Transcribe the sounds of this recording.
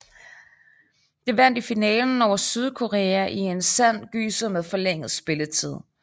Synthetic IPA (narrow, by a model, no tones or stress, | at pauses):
d̥e̝ʋæn̰d̥ifinɛːln̩ɒʊɐsyð̞ˠkʰo̝ʁeːæʔie̝nsæn̰ɡ̥y̰ːsəmeðˠfɒ̽leŋ̰ð̩ˠsb̥e̝lət͡sʰið̞̰ˠ